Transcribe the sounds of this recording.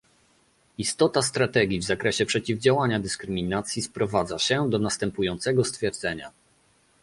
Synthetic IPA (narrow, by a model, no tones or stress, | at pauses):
ist̪ɔt̪ast̪ɾat̪ɛɡʲivzakɾɛɕɛpʂɛt͡ɕivd͡ʑawaɲad̪ɘskɾɘmʲinat̪sʲjispɾɔvad̪zaɕɛd̪ɔnast̪ɛmpujɔnt̪sɛɡɔst̪fʲjɛɾd̪zɛɲa̰